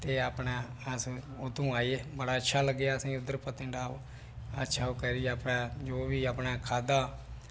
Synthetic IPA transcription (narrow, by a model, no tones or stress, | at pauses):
t̪eːaːpɳɛːəs | ʊd̪ũːaːiːɛbəɽaːətːʃʰaːləɡejaːsĩːʊd̪ːəɾpət̪ɪ̃ɳɖaːʋ | ətːʃʰaːoːkəɾiːaːpɳɛ̃ːd͡ʒoːʋiːapɳaːkʰaːd̪aː